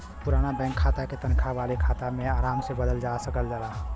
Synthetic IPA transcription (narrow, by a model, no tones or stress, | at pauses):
puɾanabɛ̃ŋkʰːat̪aket̪ənkʰabalekʰat̪ameaɾamsebəd̪əld͡ʒasəkəld͡ʒalaɦ